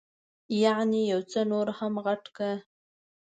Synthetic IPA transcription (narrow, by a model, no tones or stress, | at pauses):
jaʕnijawt͡sənoɾhamɣaʈka